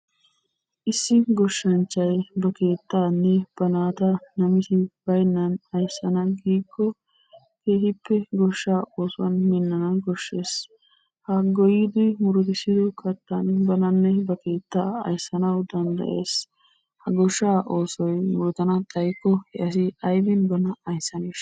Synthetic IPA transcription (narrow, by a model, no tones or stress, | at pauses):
ʔɪsːɪɡɔʃːɐnt͡ʃːɐjbɐke̞ːt̪ːaːnːɛb̥ɐnaːt̪ɐnɐmɪsɪb̥ɐjnːɐnɐjsːɐnɐɡiːkːɔ | ke̞ːhɪpːɛɡɔʃːaːʔo̞ːsɔwɐ̰nmɪnːɐnɐɡɔʃːe̞ːs | hɐɡɔjɪd̪ɪmʊɾʊd̪ɪsɪd̪ɔkʰɐt̪ːɐnbɐnɐnːɛbɐke̞ːt̪ːaːɐ̰jsːɐnɐwd̪ɐnd̪ɐ̰ʔe̞ːs | hɐɡɔʃːaːʔo̞ːsɔjmʊɾʊt̪ɐnɐt̪ʼɐjkːɔhɛʔɐsɪɐjbɪnbɐnɐɐjsːɐneːʃ